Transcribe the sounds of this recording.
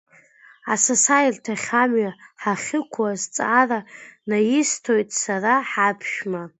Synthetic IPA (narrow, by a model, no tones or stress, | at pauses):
a̰sasajiltʰaχʲamɥaħaχʲɪkʷʰwazt͡sʼaranajɪstʰojtʼsaraħapʰʃᶣma